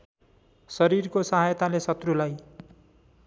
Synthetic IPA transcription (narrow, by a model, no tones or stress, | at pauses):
sʌɾirkosʌɦajt̪alesʌt̪rulaj